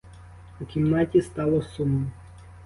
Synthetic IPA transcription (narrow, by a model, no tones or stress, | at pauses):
ukʲimnɑtʲist̪ɑlˠɔsunːɔ